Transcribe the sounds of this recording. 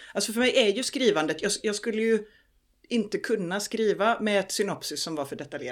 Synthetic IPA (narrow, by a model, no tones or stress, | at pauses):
alsɔfœɾmɛjɛɾjɵskɾiːvand̪ət̪jɑːɡjɑːɡskɵlːəjɵ | ɪnt̪əkʰɵnːaskɾiːvamɛd̪sʏnɔpsʏsːɔmvaɾfœɖɛt̪aljḛː